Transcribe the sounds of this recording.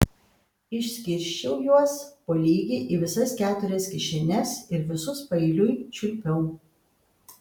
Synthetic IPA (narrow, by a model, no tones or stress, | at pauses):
ɪʃʲsʲkʲɪɾʲʃʲt͡ʃʲɛʊjuɔspolʲiːɡʲeʔiːʋʲɪsɐskʲæːt̪ʊɾʲɛskʲɪʃʲɪnʲɛsɪɾʋʲɪsʊspɐɪlʲʊɪt͡ʃʲʊlʲpʲɛʊ